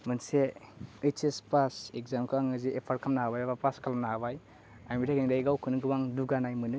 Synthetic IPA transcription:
mɯnseɯt͡ʃespasekzamkʰaŋɯziʔepʰaɾkʰamnaɦabajabapaskʰalamnaɦaβaj | ajmiɾaɡeŋdajɡawkʰɯnɯɡɯbaŋduɡanajmɯnɯ

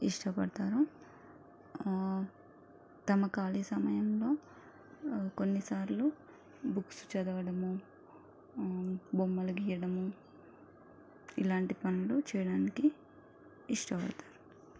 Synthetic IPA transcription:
iʂʈɐpɐɽɐt̪aːɾu | t̪ɐmɐkaːliːsɐmɐjɐmlo̞ː | konːisaːɾlu | buksu̥t͡ʃɐd̪ɐɡɐɽɐmu | bomːɐluɡiːjɐɽɐmu | ilaːɳʈipɐnɐlut͡ʃɛːjɐɽaːnikiː | ʂʈɐpɐ̰ɽɐt̪ḁːɾu

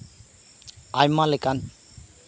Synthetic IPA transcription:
ajmalekan

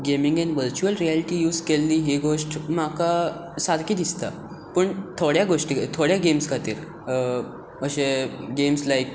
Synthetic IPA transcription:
ɡemiŋɡenʋəɾt͡ɕuəlɾijalʈiːjuːzkelːiːɦiɡoʂʈmakasad̪kiːd̪ist̪a̰ | pəɳt̪ʰoɽjaɡoʂʈikt̪ʰoɽjaɡemskʰat̪ḭːɾ | əɕeɡemslaik

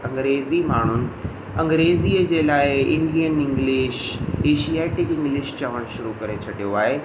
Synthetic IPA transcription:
ɐ̃ŋɡɾeːzimaːɳ̤ʊnɪ̆ | ɐ̃ŋɡɾeːziːəd͡ʑeːlaːɪɪ̰̃ɳɖijənɪ̃ŋɡlɪːʃeːʃiaːʈɪkɪ̃ŋɡlɪʃt͡ɕɐʋəɽ̃ʃʊɾukɐɾet͡ɕʰɐɽʱijoaːɦeː

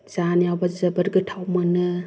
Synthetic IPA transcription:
z̥anijawbazɐbɐɾɡɯtʰawmanɯ

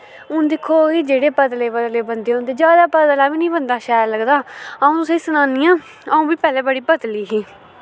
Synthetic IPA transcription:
ʊ̃ːd̪ɪkʰːoːkiːd͡ʒeːɽeːpəd̪leːpəd̪leːbənd̪eːõːnd̪eːd͡ʒjaːd̪aːpəd̪əlaːbiːnĩːbənd̪aːʃaːɾləɡd̪aːəũːt̪ʊsẽːsənaːniːãː | əũːbiːpɛːleːbəɽiːpəd̪liːɦiː

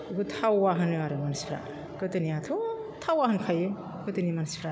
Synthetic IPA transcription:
ɡɯtʰawːaɦɯnɯwaɾɯmansʰɾa̰ | kɯtɯniatʰutʰawwahɯnkʰajɯ | kɯtɯnimanspʰɾa

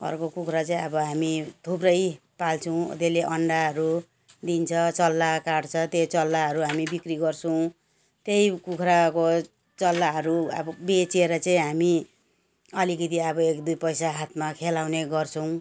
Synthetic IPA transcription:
ʌ̰rkokukʰɾat͡saĩʌbʌɦamit̪ʰubrʌjpalt͡sʰʌw̰̃t̪eleʔʌɳɖaɦʌɾu | d̪int͡sʰʌt͡sʌlːakaɽt͡sʰʌt̪jet͡sʌlːaɦʌɾuɦamibikriɡʌrt͡sʰʌw̃ | t̪ejkukʰɾako | t͡sʌlːaɦʌɾuʌ̰bʌbet͡seɾʌt͡saĩɦami | ʌlikid̪iabʌekd̪ujpʌjsaɦat̪ʰmakʰelaw̃neɡʌrt͡sʰʌw̃

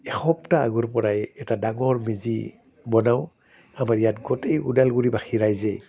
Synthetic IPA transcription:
ɛxɔp̚taːɡuɹpɔɹajɛtadaŋɔɹmizḭ | bɔnaw | amaɹijatɡɔtejudalɡuɹibaxʰiɹajzɛ

